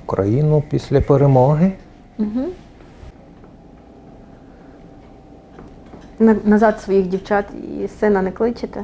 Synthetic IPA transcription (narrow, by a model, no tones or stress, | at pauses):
kɾɐ̰jinʊpʲisʲlʲɐpeɾemɔɦɪ | m̩ɦ̩ | nɐnɐzɑd̪sʋɔjiɣdʲiwt͡ʃɑt̪ḭsɛnɐnɛklˠɪt͡ʃɪt̪e